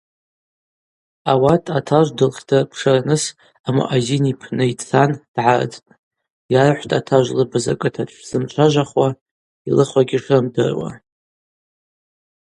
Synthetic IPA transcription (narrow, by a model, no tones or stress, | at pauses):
awatʼʰatʰaʒʷdɨlχʲtʰapʰʂɨranɨs | ama̰ʔazinipʰnɨit͡sʰand̥ʕar̰d͡zʼtʼ | jarħʷtʼatʰaʒʷlɨbaza̰kʼɨtʰat͡ʃʷʰz̥ɨmt͡ʃʷʰaʒʷaχwa | ilɨχʷaɡʲiʂrɨmdɨ̰rwa̰